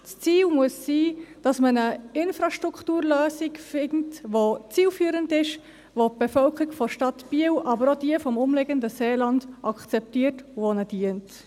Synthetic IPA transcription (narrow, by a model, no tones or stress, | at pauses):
st͡siːlmuəsːiːd̥ɑsmənəɪnfɾɑʃtɾukʰtuːɾløːsiɡfɪntʋot͡siːlfyːɾəndɪʃ | ʋopb̥ɛfœlkəɾikfɔʃtɑtb̥iəwʔɑbəɾod̥iəfɔmʊmleɡəndəseːlɑndʔɑkt͡sɛp̚tiːətvonəd̥iənt